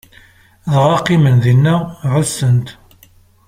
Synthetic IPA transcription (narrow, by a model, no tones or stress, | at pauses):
ðʁɑqːimənðinːæʕəlsənt̪